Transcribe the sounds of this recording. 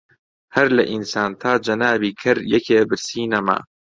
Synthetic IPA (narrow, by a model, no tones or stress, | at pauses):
hɐɾlɐʔinsaːnt̪ʰaːd͡ʒɐnaːbiːkʰɐɾjɛkʰeːbɨɾsiːnɐmɐ̰